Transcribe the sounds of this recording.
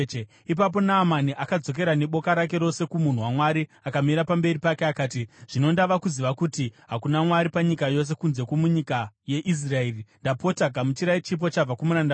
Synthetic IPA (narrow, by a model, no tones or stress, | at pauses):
ip̬ap̬o̞naːmaniʔakad͡zo̞k̬e̞ɾane̞ɓo̞kaɾak̬e̞ɾo̞se̞kumun̤uwamwaɾi | akamiɾapambe̞ɾipakeakaːtiʐ̥ino̞ndaʋakuziʋakutiɦakunamwaɾipaɲikajo̞s̬e̞kunze̞kumuɲikaje̞ʔis̬raerindapo̞taɡamut͡ʃiɾait͡ʃip̬o̞t͡ʃab͡vakumuɾanda